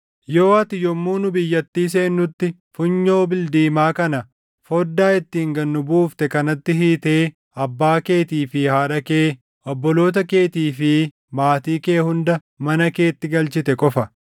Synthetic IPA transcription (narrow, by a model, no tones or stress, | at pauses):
jo̞ːɐt̪ɪjɔmːuːnʊbɪjːɐt̪ːiːs̬e̞ːnːʊt̪ːɪ | fʊɲːo̞ːbɪld̪iːmaːkɐnɐ | fɔd̪ːaːɪt̪ːiːŋɡɐnːʊbuːft̪ɛkɐnɐt̪ːɪɦiːt̪e̞ː | ɐbːaːke̞ːt̪iːfɪhaːᶑɐke̞ː | ɔbːɔlo̞ːt̪̬ɐke̞ːt̪iːfɪ | maːt̪iːke̞ːhʊnd̪ɐ | mɐnɐke̞ːt̪ːɪɡɐlt͡ʃɪt̪ɛkʼɔfɐ